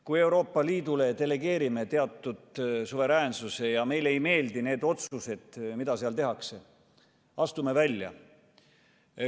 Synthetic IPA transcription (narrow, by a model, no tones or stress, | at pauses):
kuje̞wɾo̞ːpːˑɑliːd̪̥ule̞t̪e̞le̞ɡe̞ːɾime̞t̪e̞ɑt̪ːˑud̪̥suve̞ɾæːnsuse̞jɑme̞jle̞jme̞ːld̪ine̞ːd̪o̞t̪suse̞d̪̥mid̪̥ɑseɑlt̪e̞ɦɑkse̞ | ɑst̪ume̞vælʲjɑ̰